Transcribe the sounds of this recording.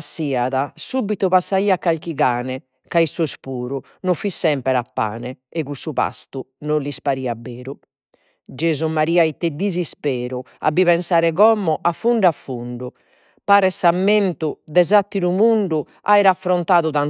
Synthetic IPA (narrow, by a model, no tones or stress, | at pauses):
siːaðasubit̪upasːaiːakːalk̟iɣaːnɛ | kaisuspuːɾu | nofːisːɛmpɛɾapːa̰ːnɛɛɣusupa̰st̪unolispaɾiːabːeːɾu | d͡ʒeːzumaɾiːait̪ːɛd̪ːizispɛːɾua̰biβɛnsaːɾɛɣɔmːɔʔafːuɳɖafːuɳɖu | paːɾɛsamːent̪ud̪ɛzat̪ːiɾumuɳɖu | a̰ːjɾafɾɔnt̪aːðuðan